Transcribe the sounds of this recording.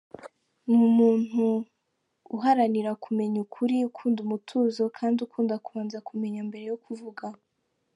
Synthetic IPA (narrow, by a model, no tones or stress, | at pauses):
mumuːn̥huː | ɦaɾaniɾakʰume̞ɲukʰuɾiukʰuːndumutʰuːzo̞kʰaːndukʰuːndakuβaːnzakʰume̞ɲambe̞ɾe̞jokʰuvuɡa